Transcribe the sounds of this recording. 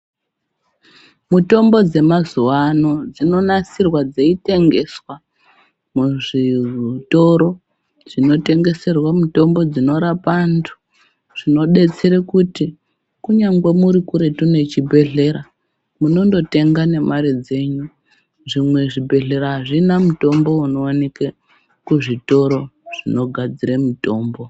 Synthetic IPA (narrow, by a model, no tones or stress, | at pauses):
muto̞mbo̞d͡ze̞mazuwano̞d͡zino̞nasirwad͡zeite̞ŋɡe̞swa | muʐito̞ɾo̞ | ʐ̥ino̞te̞ŋɡe̞se̞rwamuto̞mbo̞d͡zino̞ɾapantʰu̥ | ʐ̥ino̞ɗe̞t͡seɾekuti | kuɲaŋɡwemuɾikuɾe̞tune̞t͡ʃibʱe̞ɮe̞ɾa | muno̞ndo̞te̞ŋɡane̞mʔaɾid͡ze̞ɲu | ʐimwe̞ʐibʱe̞ɮe̞ɾaɦaʐinamuto̞mbo̞unoːneke | kuʐito̞ɾo̞ʐ̥ino̞ɡʱad͡ziɾemuto̞ːmbo̞